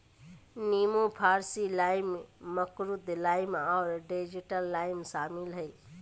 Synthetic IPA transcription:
niːmũpʰaːɾsilaːɪmmɐkɾʊd̪laːɪmaːɾɖeːd͡ʒiʈəlːaːɪmʃaːmɪlɦɐiː

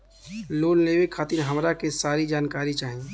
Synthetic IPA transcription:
loːnleːʋekʰaːt̪ɪɾɦəmɾakesaːɾid͡ʒaːnkaːɾit͡ʃaːɦie

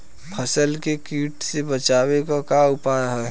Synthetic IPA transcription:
pʰəsəlkekiːʈsebət͡ʃaːwekakaʊpaːɾɦɛː

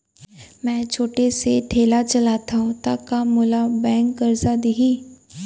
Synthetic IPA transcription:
mɛ̃ːt͡ʃʰoːʈeseʈʰeːlat͡ʃɐlaːt̪aɦũt̪akamʊlabɛ̃ːŋkːɐɾzad̪iɦiː

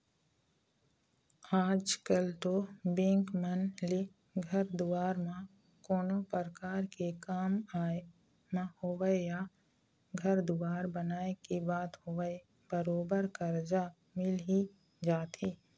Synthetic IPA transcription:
aːd͡ʒkəlt̪obẽːŋkmənli | ɡʱəɾd̪uwaːɾmã | koːnopəɾkaːɾkekaːmaːe | mãhowəeja | ɡʱəɾd̪uaːɾbənaːekibaːt̪ɦoʋəe | bəɾoːbəɾkəɾd͡ʒa | mɪli | d͡ʒaːt̪ʰiː

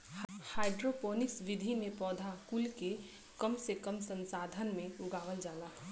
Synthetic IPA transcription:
haːɪɖɾopoːnɪksʋɪd̪ʱinepɔːd̪ʱakulke | kəmsekəmsə̃nsaːd̪ʱənmẽʊɡaːʋəld͡ʒaːlaː

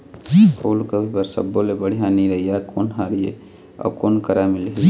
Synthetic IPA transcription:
hoːlɡəbipəɾsə̰bːolebəɽ̤ijãniɾəɦijakoːnɦaɾijḛ | ɔ̰ːkoːnkəɾamɪlɦi

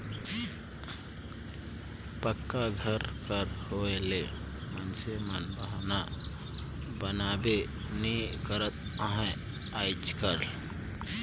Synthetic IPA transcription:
pəkːaɡʱəɾkəɾhoele | mənsemənbəɦna | bənabe | nikəɾət̪̚əɦã | ajd͡ʒkəɾ

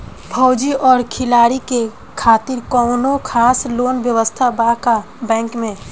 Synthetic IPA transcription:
bʰʱɔʊd͡ʒiʔɔːɾkʰɪlaːɾike | kʰaːt̪ɪɾkɔːnokʰaːsloːnʋjəʋəst̪ʰabaka | bɛ̃ːŋkmẽ

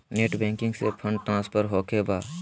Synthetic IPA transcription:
neːʈbɛ̃ːŋkɪ̃ŋɡsepʰə̃ɳɖ̚ʈɾãːspʰəɾɦoːkebaː

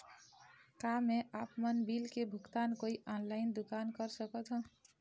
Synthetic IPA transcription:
kameʔapmənbilkebʱukt̪ankoiʔɔnlaɪnd̪ukankəɾsəkət̪ɦə̃

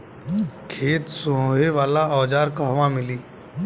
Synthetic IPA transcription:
kʰeːt̪suɦoɦeʋaːlaɔːd͡ʒaːɾkaɦʋãmɪliː

